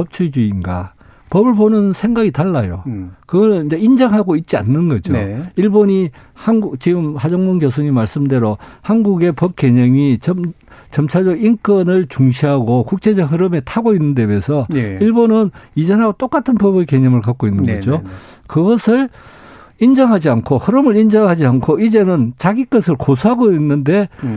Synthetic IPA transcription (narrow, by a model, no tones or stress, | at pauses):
pʌp̚t͡ɕʰud͡ʑuinɡa̰ | pʌbɯɭbonɯnsʰe̞ŋɡaɡitaɭːajokɯɡʌnɯnid͡ʑe̞ind͡ʑaŋɦaɡoit̚t͡ɕ͈ia̰nːɯnɡʌd͡ʑoiɭboɲi | hanɡut͡ɕiɡɯmhad͡ʑoŋmoŋɡjos̬ʰuɲimaɭs͈ɯmde̞ɾohanɡuɡe̞pʌp̚k͈e̞ɲʌŋit͡ɕʌ | t͡ɕʌmt͡ɕʰaɭd͡ʑʌɡink͈ʌnɯɭt͡ɕuŋɕʰiɦaɡokuk̚t͡ɕ͈e̞d͡ʑʌɦɯɾɯme̞tʰaɡoinːɯndebesʰʌiɭbonɯnid͡ʑenaɡot͈ok͈atʰɯnpʌbɯke̞ɲʌmɯɭkak͈oinːɯnɡʌ̰d͡ʑo | kɯɡʌsʰɯɭ | ind͡ʑʌŋɦad͡ʑiankʰohɯɾɯmɯɾind͡ʑʌŋɦad͡ʑiankʰoid͡ʑe̞nɯnt͡ɕaɡik͈ʌsʰɯɭkosʰuɦaɡoinːɯnde̞